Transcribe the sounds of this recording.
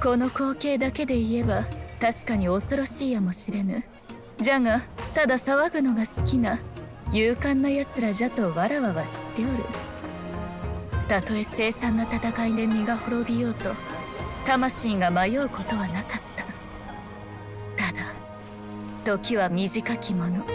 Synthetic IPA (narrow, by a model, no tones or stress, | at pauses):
ko̞no̞ko̞ːke̞ːd̪ake̞d̪e̞ie̞bat̪aɕi̥kaɲ̟io̞so̞ɾo̞ɕiːjamo̞ɕiɾe̞nɯ̟ | ʑaŋat̪ad̪asaβaɡɯ̟no̞ɡasɨ̥kʲina | jɯ̟ːkãnːojat͡sɨɾaʑat̪o̞βaɾaβaβaɕi̥t̪ːe̞o̞ɾɯ̟̰ | t̪at̪o̞e̞se̞ːsãnːat̪at̪akaid̪e̞mʲiɡaho̞ɾo̞bʲijo̞ːt̪o̞t̪amaɕiːŋɡamajo̞ɯko̞t̪o̞βanakat̪ːḁ | t̪ad̪a | t̪o̞kʲiβamʲiʑikakʲimo̞no̞